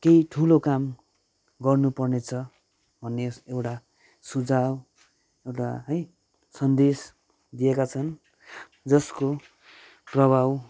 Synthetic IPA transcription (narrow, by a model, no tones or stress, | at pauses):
keiʈʰulokam | ɡʌrnupʌrnet͡sʰʌ | bʱʌnːeewʈa | sud͡zaw | ewʈaɦʌj | sʌnd̪es | d̪ijekat͡sʰʌn | d͡zʌsko | prʌbʱaw